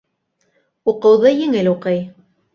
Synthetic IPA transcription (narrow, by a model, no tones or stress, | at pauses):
uqɤ̆wðɤjɘ̆ŋɘluqɤj